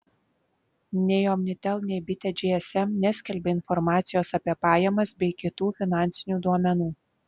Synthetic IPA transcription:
nʲɛɪɔmʲnʲɪt̪ʲɛlˠnʲɛɪbʲɪt̪ʲɛd͡ʒʲeɛsɛmnʲɛsʲkʲɛlʲbʲɛɪnfɔɾmɑːt̪sʲɪjoːsɐpʲiɛpɑːjɛmɐsbʲɛɪkʲɪt̪uːfʲɪnɑˑnʲtsʲɪnʲuːd̪uɔmʲɛnuː

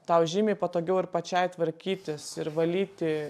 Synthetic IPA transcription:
t̪ɐʊʒʲiːmʲeɪpɐt̪oːɡʲɛʊɪɾpɐt͡ʃʲɛɪt̪ʋɐɾʲkʲiːt̪ʲɪsɪɾʋɐlʲiːt̪ʲɪ

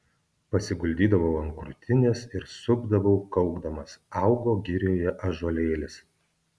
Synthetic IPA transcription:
pɐsʲɪɡʊlʲd̪ʲiːd̪ɐʋɐʊɐŋkɾʊt̪ʲɪnʲeːsɪɾsʊɡd̪ɐʋɐʊkɐʊɡd̪ɐmɐsɑˑʊɡoːɡʲɪɾʲjoːjɛʔɐʒoːlʲeːlʲɪs

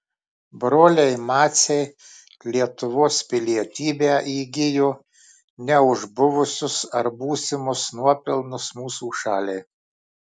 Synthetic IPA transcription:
bɾoːlʲɛɪmɑːt̪sʲɛɪ | lʲiɛt̪ʊʋoːspʲɪlʲiɛt̪ʲiːbʲæːʔiːɡʲɪjoː | nʲɛʊʒbʊʋʊsʲʊsɐɾbuːsʲɪmʊsnuɔpʲɪlˠnʊsmuːsuːʃɑːlʲɛɪ

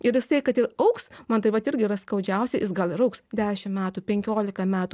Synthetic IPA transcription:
ɪɾjɪsɐɪkɐt̪ɪɾɐʊksmɐnt̪ɐɪpʋɐt̪ɪɾʲɡʲɪiɪɾɐskɐʊd͡ʒʲɛʊsʲɪjɪsɡɐlˠɪɾɐʊksd̪ʲæːʃʲɪmmʲæːt̪uːpʲɛŋʲkʲoːlʲɪkɐmʲæːt̪uː

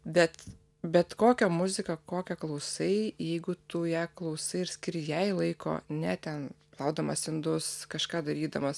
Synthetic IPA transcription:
bʲɛt̪ | bʲɛt̪koːkʲɛmʊzʲɪkɐkoːkʲɛklˠɐʊsɐɪjɛɪɡʊt̪ʊjɛklˠɐʊsɐɪɪɾsʲkʲɪɾʲjɛɪlˠɐɪko̰ːnʲɛt̪ʲɛnplˠɐʊd̪ɐmɐsɪnd̪ʊskɐʃkɑːd̪ɐɾʲiːd̪ɐmɐs

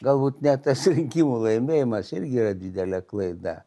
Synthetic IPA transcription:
ɡɐlˠbuːt̪nʲɛt̪ɐsɾʲɪŋʲkʲiːmulˠɐɪmʲeːjɪmɐsɪɾʲɡʲɪiːrɐd̪ʲɪd̪ʲɛlʲɛklˠɐɪd̪ɐ̰

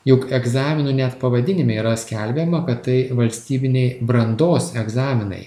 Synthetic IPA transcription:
jʊkɛɡzɑːmʲɪnunʲɛt̪pɐʋɐd̪ʲɪnʲɪmʲɪiɾɐsʲkʲælʲbʲɛmɐkɐt̪t̪ɐɪʋɐlʲsʲt̪ʲiːbʲɪnʲɛɪbɾɐnd̪oːsɛɡzɑːmʲɪnɐ̰ɪ

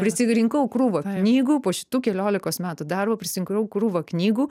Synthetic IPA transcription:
pʲɾʲɪsʲɪɾʲɪŋkɐʊkɾuːʋɐknʲiːɡuːpoːʃʲɪ̥t̪uːkʲɛlʲoːlʲɪkoːsmʲæːt̪ud̪ɐrbɐpʲɾʲɪsʲɪɾʲɪŋkɐʊkɾuːʋɐknʲiːɡuː

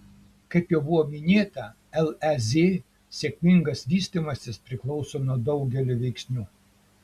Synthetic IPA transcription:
kɐɪpjoːbʊʋoːmʲɪnʲeːt̪ɐ | ɛlˠɛzʲeː | sʲeːkʲmʲɪŋɡɐsʋʲiːsʲt̪ʲimɐsʲɪspʲɾʲɪklˠɒʊsoːnuɔd̪ɒʊɡʲɛlʲɪʋʲɛɪksʲnʲuː

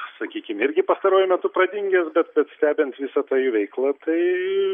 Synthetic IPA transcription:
sɐkʲiːkʲɪmɪɾʲɡʲɪpɐst̪ɐɾuɔːjʊmʲɛt̪ʊpɾɐd̪ʲɪŋʲɡʲɛsbʲɛt̪̚bʲɛt̪sʲt̪ʲæːbʲɪɛnt̪ʋʲɪsɐt̪ɑːjuʋʲɛɪklˠɐt̪ɐɪ

